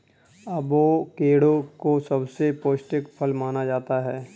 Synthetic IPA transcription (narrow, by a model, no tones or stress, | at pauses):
ɐbʋoːkeːɽõkosɐbsepoːsʈɪkpʰəlmaːnad͡ʒaːt̪aɦɛː